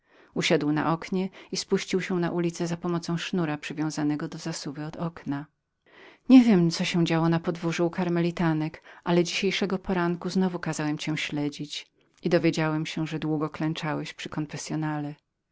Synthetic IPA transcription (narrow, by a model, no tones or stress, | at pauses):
uɕad̪wna̰ʔɔkɲɛispuɕt͡ɕiwɕɛwna̰ʔulʲit̪sɛzapɔmɔt̪sɔ̃w̃ʂnuɾapʂɨvʲjɔ̃w̃zanɛɡɔd̪ɔzasuvɘɔd̪ɔkna | ɲɛvʲjɛmt̪sɔɕɛ̃d͡ʑawɔnapɔd̪vuʐuukaɾmɛlʲit̪anɛkʔalɛd͡ʑiɕejʂɛɡɔpɔɾaŋkuznɔvukazawɛmt͡ɕɛ̃ɕlɛd͡ʑit͡ɕ | id̪ɔvʲjed͡ʑawɛmɕɛ̃ʐɛd̪wuɡɔklɛnt͡ʂawɛɕpʂɘkɔnfɛsʲjɔnalɛ